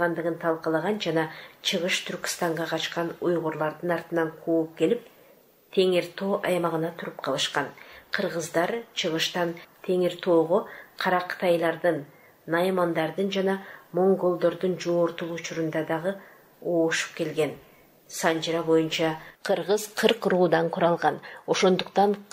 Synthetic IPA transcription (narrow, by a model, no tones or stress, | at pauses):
ʁɑnd̪əʁənt̪ʰɑlˠqɑlˠɑʁɑnʒɑnɑt͡ʃʰəʁəʃt̪ʰʏɾkʲɪ̥st̪ɑɴʁɑqʰɑʃqɑnʊjʁoɾlˠɑɾd̪ənɑɾt̪ənɑɴqʰop̚kʲʰe̞lɪp̚ | t̪ʰe̞ŋeɾt̪ʰo̞ʔɑjmɑʁənɑt̪ʰʊɾəp̚qʰɑlˠəʃqɑnqʰəɾʁəzd̪ɑɾt͡ʃʰəʁəʃt̪ɑnt̪ʰe̞ŋɪɾt̪ʰo̞ʁoqʰɑɾɑqʰt̪ɑjlˠɑɾd̪ɯnː | ɑjmɑnd̪ɑɾd̪ɨnd͡ʒɑnɑmo̞ŋɡo̞lˠd̪o̞ɾd̪ɨnd͡ʒo̞ːɾt̪ulˠʊt͡ʃʊɾund̪ɑd̪ɑʁə | oːʃu̥p̚ke̞lɡʲe̞n | sɑnd͡ʒɾɑbo̞junt͡ʃɑqʰɯɾʁəzqʰɨɾqruːd̪ɑɴqʰuɾɑlˠʁɑno̞ʃo̞nd̪uqt̪ɑɴ